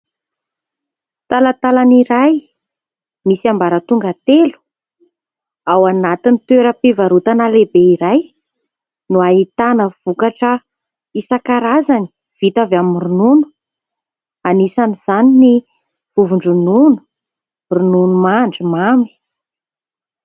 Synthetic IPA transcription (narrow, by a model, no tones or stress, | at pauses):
t̪alat̪alaniɾaj | misiambaɾət̪uŋɡat̪elu̥ | awanat̪init̪eɾəpivaɾut̪analebeiɾaj | nuaɦit̪anəv̥ukaʈ͡ʂə | isakaɾazani̥ | v̥it̪avaminrununu̥ | anisaniz̥anini | v̥uvuɳɖ͡ʐununu̥ | rununumaɳɖ͡ʐimami̥